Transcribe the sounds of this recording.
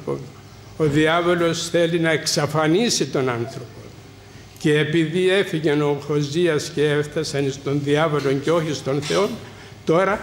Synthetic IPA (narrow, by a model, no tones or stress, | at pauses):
o̰n | o̞ðiɐvo̞lo̞sθe̞linɐeksɐfɐnisit̪o̞nɐnθɾo̞po̞ | ce̞ːpiðie̞fiʝe̞no̞xo̞ziɐsceeft̪ɐsɐnist̪o̞nðiɐvolo̞ɲceo̞çist̪o̞nθe̞o̞n | t̪o̞ɾɐ